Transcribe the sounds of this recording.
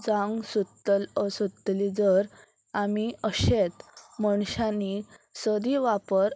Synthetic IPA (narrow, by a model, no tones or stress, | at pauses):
d͡zãŋɡsut̪ːələsut̪lid͡zəɾ | amiəɕet̪məɳ̃ɕãnisəd̪iʋapəɾ